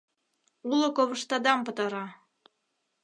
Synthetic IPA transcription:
ulˠɤ̆koβɤ̆ʃt̪ɑd̪ɑmpɤ̆t̪ɑɾɑ

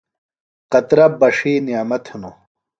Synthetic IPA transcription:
qɐt̪ɾɐbɐʂiːnimɐt̪ʰuno

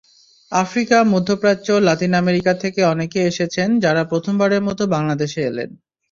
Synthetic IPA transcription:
afɾikamud̪ʱːopɾat͡ɕolat̪inameɾikat̪ʰekeɔnekeeʃet͡ɕʰend͡ʑaɾapɾot̪ʰombaɾeɾmɔt̪obaŋlad̪eʃeelḛn

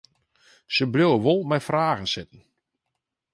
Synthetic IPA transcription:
səblowəʋolˠmɛjfraːɣənsɪtən̩

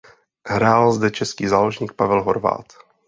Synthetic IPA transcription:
ɦɾaːlzdɛt͡ʃɛskiːzaːloʒɲiːk̚pavɛlɦoɾva̰ːt̪

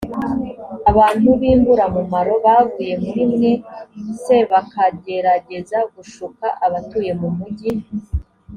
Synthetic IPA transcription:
aβaːn̥huβiːmbuɾamumaɾo̞βaːvuːje̞muɾimŋe̞se̞βakaɡe̞ɾaɟe̞zaɡuʃukaʔaβatuːje̞mumuɟi

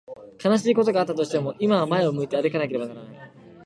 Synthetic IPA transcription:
kanaɕ̬iːko̞t̪o̞ɡaːt̪ːat̪o̞ɕi̥t̪e̞mo̞ʔimaβamae̞o̞mɯ̟it̪e̞aɾɯkanake̞ɾe̞banaɾanai

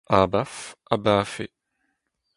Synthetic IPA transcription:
ʔabafʔabaːfe

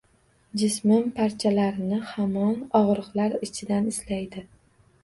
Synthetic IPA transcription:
d͡ʒɪsmɪmpʰaɾt͡ʃʰalaɾɪnɪhamɒnɒʁɾɨqlaɾɪt͡ʃʰɪd̪anɪslajd̪ɪ

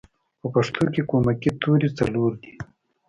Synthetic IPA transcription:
pəpɐʂt̪ʰokekomakit̪uɾit͡sɐloɾd̪i

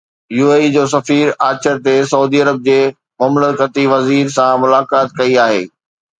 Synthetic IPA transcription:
juːeːid͡ʑoːsɐfiːɾaːt͡ɕəɾt̪esɐuːd̪iːɐɾəb̚d͡ʑeː | mʊmləkət̪iʋɐziːɾsãmʊlaːkaːt̪̚kɐiaːɦḛː

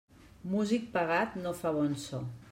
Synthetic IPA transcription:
muzik̚paɣat̪nofaβonsɔ

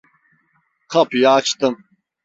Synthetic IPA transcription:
kʰɐpʰjaːt͡ʃʰt̪ɨm

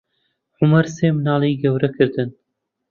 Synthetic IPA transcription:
ʕʊmɐɾseːmnɑːlˠiːɡɐwɾɐkʰɨɾd̪ɨn

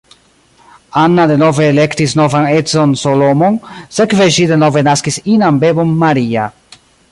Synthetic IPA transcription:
anːad̪enoveːlekt̪isnovaŋezonsolomonsekveʒid̪enovenaskisinambebomːaɾia̰

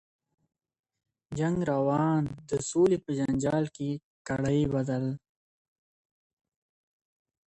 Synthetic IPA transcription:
d͡ʒaŋɡɾawɑːnd̪əsolipəd͡ʒand͡ʒɑːlke | kaɽajbad̪al

